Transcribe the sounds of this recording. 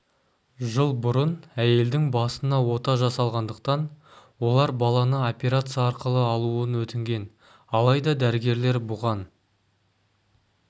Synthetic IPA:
ʒəlˠbʊɾənæje̞ld̪ɪŋbɑsənɑwo̞t̪ɑʒɑsɑlˠʁɑnd̪əqt̪ɑnwo̞lˠɑɾbɑlˠɑnəo̞pʲe̞ɾat̪sɨijɑɑɾqəlˠəɑlˠuənwɵt̪ɪŋɡʲe̞n | ɑlˠɑjd̪ɑd̪æɾɪɡʲe̞ɾle̞ɾbʊʁɑn

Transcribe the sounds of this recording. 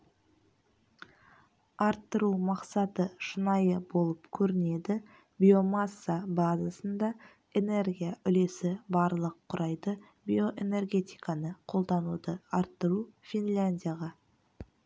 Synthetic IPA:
ɑɾt̪ːəɾumɑqsɑt̪əʃənɑjəbo̞lˠəpkʲʰɵɾɪne̞d̪ɪ | bʲio̞masːabazasənd̪ɑ | e̞ne̞rɡʲijaʔʏle̞sɪbɑɾlˠəqʰːʊɾʔɑjd̪ə | bʲio̞ʔe̞ne̞rɡʲe̞t̪ijkɑnəqʰo̞lˠd̪ɑnud̪əɑɾt̪ːəɾufʲinlʲanʲd̪ʲijaʁɑ

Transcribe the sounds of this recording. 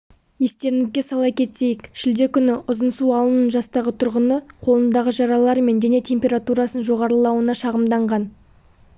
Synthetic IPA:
je̞st̪e̞ɾɪŋɪzɡʲe̞sɑlˠɑkʲʰe̞t̪se̞jɪkʃɪld̪e̞kʲʰʏnɪʔʊzənsuɑlˠənənʒɑst̪ɑʁət̪ʰʊɾʁənəqʰo̞lˠənd̪ɑʁəʒɑɾɑlˠɑɾme̞nd̪ene̞t̪ʰʲe̞mʲpʲe̞ɾat̪uɾɑsənʒo̞ʁɑɾəlˠɑwənɑʃɑʁəmd̪ɑɴʁɑn

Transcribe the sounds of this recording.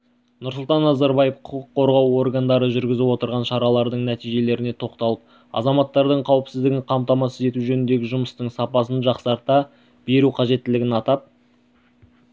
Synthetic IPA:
nʊɾsʊlˠt̪ɑnːɑzɑɾbɑjefqʰʊqʊqːʰo̞ɾʁɑwo̞rɡand̪ɑɾəʒʏɾɡʲɪzɪpwo̞t̪əɾʁɑnʃɑɾɑlˠɑɾd̪əɴnæt̪ijʒe̞le̞ɾɪne̞t̪ʰo̞qt̪ɑlˠəp̚ | ɑ̰zɑmɑt̪ːɑɾd̪əɴqʰɑwɪpsɪzd̪ɪɡʲɪqʰɑmt̪ɑmɑsəze̞t̪uʒɵnɪnd̪e̞ɡʲɪʒʊməst̪əɴsɑpɑsənʒɑqsɑɾt̪ɑ | b̥e̞ɾuqʰɑʒe̞t̪ːɪlɪɡʲɪnɑt̪ɑp̚

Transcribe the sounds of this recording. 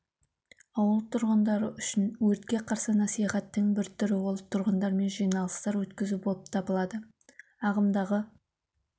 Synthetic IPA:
ɑwəlˠt̪ʰʊɾʁənd̪ɑɾəʔʏʃɪnwɵɾt̪kʲe̞qʰɑɾsənɑsijχɑt̪ːəŋbɪɾt̪ʰʏɾɪwolˠət̪ʰʊɾʁənd̪ɑɾme̞nʒijnɑlˠəst̪ɑɾwɵt̪kʲɪzubo̞lˠəp̚t̪ʰɑbəlˠɑd̪ə | ɑʁəmd̪ɑʁə

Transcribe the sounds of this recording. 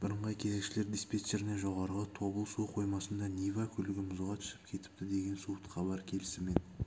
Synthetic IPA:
b̥ɪɾəɴʁɑjkʲʰe̞ze̞kʃɪle̞ɾd̪ispʲet̪seɾɪneʒo̞ʁɑɾʁət̪ʰo̞bəlˠsuwqʰo̞jmɑsənd̪ɑnʲivakʲʰʏlɪɡʲɪmʊzʁɑt̪ʰʏ̥sɪ̥pkʲʰe̞t̪ɪ̥p̚t̪ɪd̪e̞ɡʲe̞nsut̪qʰɑbɑɾkʲʰe̞lɪsɪmen

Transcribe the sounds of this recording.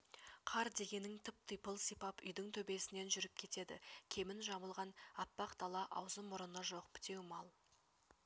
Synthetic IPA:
qʰɑɾd̪e̞ɡʲe̞nɪŋt̪ʰɪp̚t̪əjpəlˠsijpɑpʏ̰jd̪ɪŋt̪ʰɵbe̞sɪne̞nʒʏɾɪp̚kʲʰe̞t̪e̞d̪ɪ̰kʲʰe̞mɪnʒɑbəlˠʁɑnɑpːɑqd̪ɑlˠɑʔɑ̰wzəmʊɾənəʒo̞qpʰɪ̥t̪e̞wmɑlˠ

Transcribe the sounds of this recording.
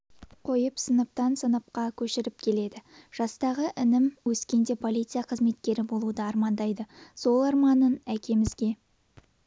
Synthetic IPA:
qʰo̞jəpsənəp̚t̪ɑnsənəp̚qɑkʲʰɵʃɪɾɪp̚kʲʰe̞le̞d̪ɪʒ̥ɑst̪ɑʁəʔɪnɪmwɵskʲe̞nd̪e̞pʰo̞lˠijt̪sɨijaqʰəzme̞t̪̚kʲe̞ɾɪbo̞lˠud̪əɑɾmɑnd̪ɑjd̪əso̞lˠɑɾmɑnənækʲe̞mɪzɡʲe̞

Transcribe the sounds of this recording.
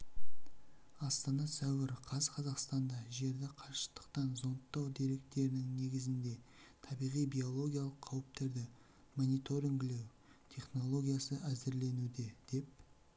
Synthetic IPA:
ɑst̪ɑnɑsæwɪɾqʰɑzəqʰɑzɑqst̪ɑnd̪ɑʒe̞ɾd̪ɪqʰɑʃə̥t̪ə̥qt̪ɑnzont̪ːɑwd̪e̞ɾe̞k̚t̪e̞ɾɪnɪŋne̞ɡʲɪzɪnd̪e̞ | t̪ʰɑbijʁijbijo̞lˠo̞ɡʲijalˠəqʰːɑwəp̚t̪e̞ɾd̪ɪ | monʲijt̪o̞ɾiŋɡɪle̞w | t̪ʰe̞χno̞lˠo̞ɡʲijasəæzɪɾle̞nud̪e̞d̪̥e̞p̚

